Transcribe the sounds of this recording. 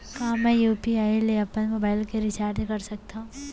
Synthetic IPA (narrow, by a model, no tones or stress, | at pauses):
kaːmɛ̃juːpiaːileɐpənmobaːɪlkeɾɪt͡ʃaːɾd̪kɐɾsɐk̚t̪aɦũ